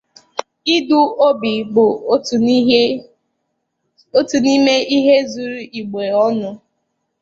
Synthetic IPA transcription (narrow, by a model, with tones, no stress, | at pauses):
i˦du˦o˦bi˨bʊ˨˦˨ | o˦tu˨ni˦me˦i˦ɦe˦zu˨ɾu˦ʔi˨ɡ͡be˨ɔ˦nʊ˦